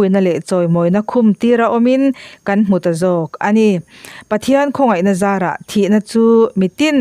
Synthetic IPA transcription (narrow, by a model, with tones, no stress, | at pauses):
u˨jna˧lɛ˨ʔt͡sɔ˨jmɔ˨jna˧kʰʊmt̪i˧ɾa˧ʔɔ˧minkɐ˦nm̥u˨t̪a˨zɔː˧˩kʔɐni | pɐt̪ʰiənkʰɔ˧ŋɐ˨jna˧zaː˧ɾa̰˨ʔt̪ʰi˨ʔna˧t͡suː˦mi˨t̪in